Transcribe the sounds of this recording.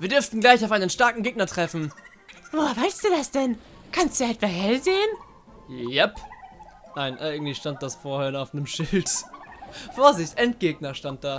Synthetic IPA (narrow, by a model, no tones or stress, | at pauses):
viːɐdʏɐftn̩ɡlaɪçaʊfaɪnənʃtaɐkŋ̩ɡeːɡ̚nɐtʁ̥ɛfn̩ | voːvaɪlstd̥uːdasd̥ɛn | kʰanstdu̥ɛtv̥aɦhɛlzeːən | jɛp | naɪnʔaɪɡŋ̩tl̥içʃtant̚d̥asfoːɐhɛɐnaʊfnəmʃɪlt | foːɐzɪçtʔɛnt̚ɡ̥eːɡ̚nɐʃtant̚d̥aː